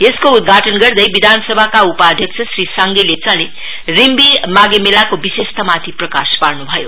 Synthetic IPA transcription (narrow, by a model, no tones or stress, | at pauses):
eskoud̪̚ɡʱaʈʌnɡʌrd̪ʌjbid̪ʱansʌbʱakaupad̪ʱjʌkt͡sʰʌsrisaŋɡelet͡sale | rimbimaɡemelakobisest̪ʌmat̪ʰiprʌkasparnubʱʌjo